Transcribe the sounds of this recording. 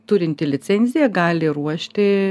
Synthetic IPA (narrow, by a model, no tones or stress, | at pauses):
t̪ʊɾʲɪnʲt̪ʲɪlʲɪsʲɛnʲzʲɪjɛɡɑːlʲɪruɔʃʲt̪ʲɪ